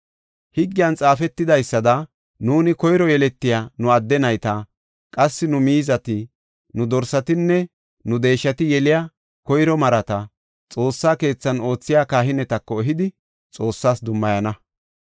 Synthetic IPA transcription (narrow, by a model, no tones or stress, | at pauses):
hɪɡːɪjɐnt͡sʼaːfɛt̪ːɪd̪ɐjsːɐd̪ɐ | nuːnɪkɔjɾɔjɛlɛt̪ːɪjaːnʊɐd̪ːɛnɐjt̪ɐ | kʼɐsːɪnʊmiːzɐt̪ɪ | nʊd̪ɔɾsɐt̪ɪnːɛ | nʊd̪e̞ːʃːɐt̪ɪjɛlɪja | kɔjɾɔmɐɾɐt̪ɐ | t͡sʼo̞ːsːaːke̞ːt͡sːɐno̞ːt͡sːɪjaːkaːɦɪnɛt̪ɐkːɔɛɦɪd̪ɪ | t͡sʼo̞ːsːaːsd̪ʊmːɐjɐnɐ